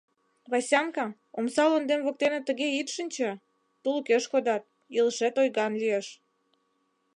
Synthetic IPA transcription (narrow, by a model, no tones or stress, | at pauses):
βɑsʲɑŋkɑ | omsɑlond̪emβok̚t̪enĕt̪ə̆ɣeit̪ʃənʲt͡ɕĕ | t̪ulkeʃkod̪ɑt̪̚ | iləʃet̪ojɣɑnlieʃ